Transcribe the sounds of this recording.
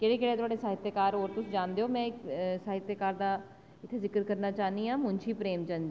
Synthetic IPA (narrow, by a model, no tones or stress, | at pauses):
keːɽeːkeːɽeːt̪ʊaːɖeːsaːɦɪt̪jeːkaːɾoːɾt̪ʊsd͡ʒãːnd̪eːoːmɛ̃ːɪksaːɦɪt̪jəkaːɾd̪aː | ɪt̪ʰːeːzɪkəɾkəɾnaːt͡ʃaːniːãːmʊ̃nt͡ʃʰiːpɾeːmt͡ʃənd͡ʒi